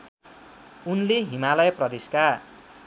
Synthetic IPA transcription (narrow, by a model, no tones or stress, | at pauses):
unleɦimalʌjʌprʌd̪iska